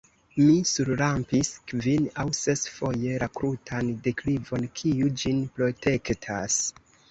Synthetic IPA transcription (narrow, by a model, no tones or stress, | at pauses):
misuɾlampiskvinawse̞sfo̞je̞ɾakɾutʰande̞klivo̞nkʰiud͡ʒinpɾo̞te̞ktʰa̰s